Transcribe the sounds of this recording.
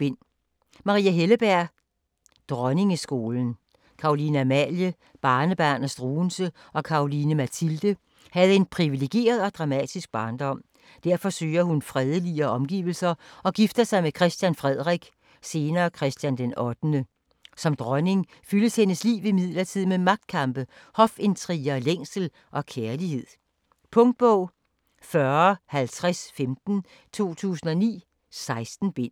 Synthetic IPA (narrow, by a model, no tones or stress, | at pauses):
ben̰ | mɑ̈ʁḭːæɦeləb̥æɐ̰ | d̥ʁɒne̝ŋəsɡ̥o̝ːln̩ | kʰɑ̈o̝linæmæljə | b̥ɑ̈ːnəb̥ænɐsd̥ʁuːnsə | ɒ̽kʰɑ̈o̝linəmæt͡sʰild̥ə | hæð̞̩ˠe̝npʰʁiʋile̝ɡ̥e̝̰ːɐð̞ˠɒ̽d̥ʁɑ̈mɛ̰d̥isɡ̥̚b̥ɑ̈ːnd̥ɒ̽m̰ | d̥æɐfɒ̽sø̰ːɐhunfʁɛːð̞ˠəliɐɒ̽mɡ̥ḭːʊl̩sɐɒ̽ɡ̥ifd̥ɐsɑ̈ɪmekʰʁɛsd̥jænfʁɛð̰ˠʁɛɡ̥ | se̝ːnɐːkʰʁɛsd̥jænd̥enɒ̽d̥nə | sɒ̽md̥ʁɶne̝ŋ | fyləshenəslḭːʊʋimið̞̰ˠlɐt͡sʰið̰ˠmemɑ̈ɡ̥̚d̥̚kʰɑ̈mb̥ə | hɒ̽fe̝nt͡sʰʁiɐleŋ̰sl̩ | ʔɒ̽kʰeɐlihe̝ð̰ˠ | pʰɔ̽ŋd̥̚b̥ɔʊ̰ | fɶɐhælt͡sʰʁasfemd̥n̩ | t͡sʰo̝̰ːt͡sʰṵːsn̩ɒ̽nḭː | sɑ̈ɪsd̥n̩b̥e̝n̰